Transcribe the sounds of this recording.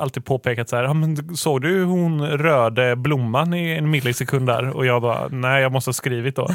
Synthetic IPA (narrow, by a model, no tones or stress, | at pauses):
ʔalt̪iːd̪̚pʰoːpʰeːkat̪sahæːɾɑmɛnsoːɡd̪ɵhʊnɾøːd̪əblʊmːanɪɛnmɪd̪lɛɡsɛkʰɵnd̪d̪æ̰ːɾɔ̰jɑːɡbɑ̰ːnæɪjɑːɡmɔst̪əhɑːskɾiːvɪt̪̚d̪o̰ː